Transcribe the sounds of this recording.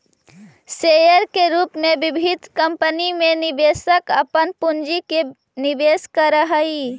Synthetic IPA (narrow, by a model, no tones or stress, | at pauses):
sejəɾkeɾuːpmẽbɪbʱid̪ʱkəmpənimẽnɪbeːsəkəpənpund͡ʒike | nibeːskəɾəɦəi